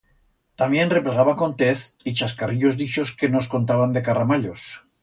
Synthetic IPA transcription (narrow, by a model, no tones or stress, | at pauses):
t̪amje̞nre̞pleɣ̞aβako̞nt̪e̞θit͡ʃaskariʎo̞zðit͡ʃo̞ske̞no̞sko̞nt̪aβand̪e̞karamaʎo̞s